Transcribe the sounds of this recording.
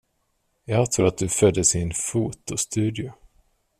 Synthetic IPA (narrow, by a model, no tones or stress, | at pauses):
jɑːɡt̪ʰɾuːɾat̪̚d̪ɵfœd̪ːəsɪnfuːt̪ʊst̪ʰʉ̟ːd̪ɪʊ